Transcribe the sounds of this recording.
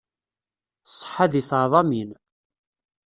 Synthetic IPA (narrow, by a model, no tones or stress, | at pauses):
sˤːħːaðiθʕðˤɑmin